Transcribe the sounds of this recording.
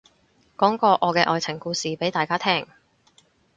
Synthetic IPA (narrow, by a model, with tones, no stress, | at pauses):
kɔː˨˥ŋkɔː˧ʔɔː˨˧kɛː˧ʔɔː˨˧jt͡sʰɪ˨˩ŋkuː˧siː˨pe˨˥jt̪aː˨˧jkaː˥t̪ʰɛː˥ŋ